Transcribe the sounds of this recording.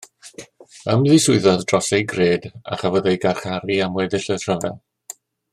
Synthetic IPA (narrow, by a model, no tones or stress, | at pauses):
əmðɪsʊɨðɔðd̥rɔsejɡreːda̰χavɔðejɡaχaɾiamwɛdɪɬətʰrəvɛ̰